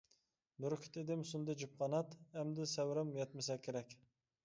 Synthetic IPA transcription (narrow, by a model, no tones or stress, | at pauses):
mʊɾkʲʰɪ̥t̪ɪd̪ɪmsʊnd̪ɨd͡ʒup̚qʰɑnɑt̪æmd̪ɪsɛwɾɛmjɛt̪mɪsɛkʲʰːeɾɛkʲ